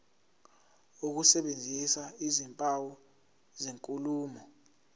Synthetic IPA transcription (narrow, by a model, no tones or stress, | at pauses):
uk̬usɛɓend͡zʱisaizimpʼawɔ | zeŋkʼuluːmɔ